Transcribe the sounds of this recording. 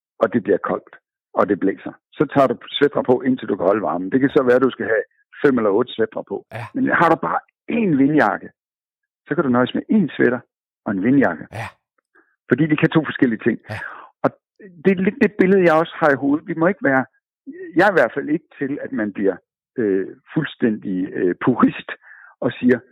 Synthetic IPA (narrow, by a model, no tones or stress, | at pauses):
ɒ̽d̥e̝b̥liɐkʰɒ̽l̰d̥ | ɒ̽d̥e̝b̥lḛːsɐ | sɒ̽t͡sʰɑ̰̈ːd̥usʋed̥ʁɐpʰɒ̽ʔe̝n̰t͡sʰe̝ld̥ukʰæhɒ̽ləʋɑ̈ːmn̩d̥e̝kʰæsɒ̽ʋæːɐd̥usɡ̥æɦæ | fem̰elɐɔ̽ːd̥əsʋed̥ʁɐpʰɒ̽menhɑ̈ɾ̥ub̥ɑ̈ː | e̝nʋe̝njɑ̈ɡ̥ə | sɒ̽kʰæɾunɒɪsmeʔe̝nsʋeɾ̥ɐ | ɒ̽e̝nʋe̝njɑ̈ɡ̥ə | fɒdḭːd̥ikʰæt͡sʰo̝̰ːfɒ̽sɡ̥el̰iət͡sʰe̝ŋ̰ɒ̽ | d̥e̝led̥ːe̝b̥e̝ləð̞̩ˠjɑ̈ɪɒ̽shɑ̈iɦo̝ːð̞̩ˠʋimɒ̽e̝ɡ̥əʋæːɐ | jɑ̈iʋæɐ̥fæl̰e̝ɡ̥ə̥t͡sʰe̝læd̥mænb̥liɐ̰ | øfulsd̥en̰d̥iøpʰuʁisd̥ɒ̽siːɐ